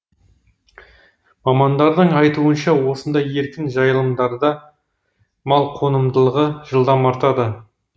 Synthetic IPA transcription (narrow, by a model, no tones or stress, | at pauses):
mɑmɑnd̪ɑɾd̪əɴɑjt̪uənʃɑwo̞sənd̪ɑje̞ɾkʲɪnʒɑjəlˠəmd̪ɑɾd̪ɑ | mɑlˠqʰo̞nəmd̪əlˠəʁəʒəlˠd̪ɑmɑɾt̪ɑd̪ə